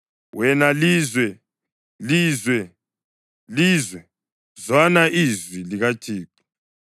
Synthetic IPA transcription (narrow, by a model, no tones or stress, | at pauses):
wɛnaliːzwɛ | liːzwɛ | liːzwɛ | zwanaʔizwiliɣatʰiːki̥